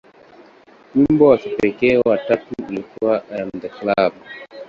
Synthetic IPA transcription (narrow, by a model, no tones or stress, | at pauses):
ɲimbɔwasɛpɛɛkɛwatatuilikuwaʔaam̩dɛklabu